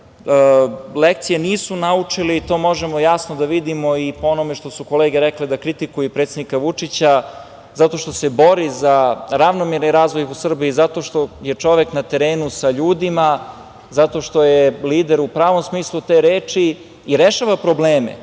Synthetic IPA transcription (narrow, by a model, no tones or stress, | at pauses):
əlek̚t̪sijeniːsunaut͡ʂiliit̪o̞ːmo̞ʒemo̞jasnod̪aʋid̪imo̞ipoonome̞ʃt̪o̞suko̞leːɡeɾɛkled̪akɾit̪ikujupɾet̪sed̪nikaʋut͡ʂit͡ɕa | zat̪o̞ʃt̪o̞se̞bo̞ɾizaɾaʋnomeɾniɾaːzʋo̞jusr̩biːzat̪o̞ʃt̪o̞jet͡ʂo̞ʋe̞knat̪e̞ɾeːnusaʎuːd̪ima | zat̪o̞ʃt̪o̞jeliːd̪eɾupɾaːʋo̞msmiːslˠut̪eːɾeːt͡ʃiː | ɾeʃaʋapɾo̞bleːmḛ